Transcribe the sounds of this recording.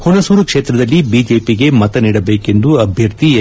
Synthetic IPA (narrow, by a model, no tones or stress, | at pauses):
honɐsuːɾukʂeːt̪ɾɐd̪ɐlːibiːd͡ʒe̞ːpiɡe̞mɐt̪ɐniːɽɐbe̞ːke̞nd̪uɐbʱjɐɾt̪i